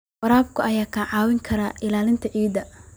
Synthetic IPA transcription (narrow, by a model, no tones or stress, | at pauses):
wɐɾaːb̚kʰʊʔɐjaːkʰaːnʕɑːwɪŋkʰɐɾaːʔɪlaːlɪnt̪ʰɐʕiːd̪ɐ